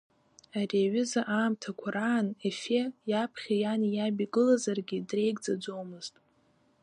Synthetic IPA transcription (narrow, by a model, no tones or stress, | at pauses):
ariɥʏzaʔaːmtʰakʷʰaɾaːnefejapʰχʲajanjabiɡɨlazarɡʲidre̞jɡd͡zad͡zo̞wmɨz̥tʼ